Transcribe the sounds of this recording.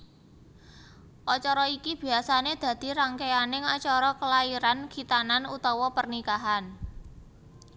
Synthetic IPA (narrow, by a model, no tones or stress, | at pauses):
ʔɔt͡ʃɔɾɔikib̥i̤asaned̪̥ä̤d̪̥i̤ɾaŋkeanɪŋɔt͡ʃɔɾɔkəlaiɾanɡ̥i̤t̪ananut̪ɔwɔpərnikaɦan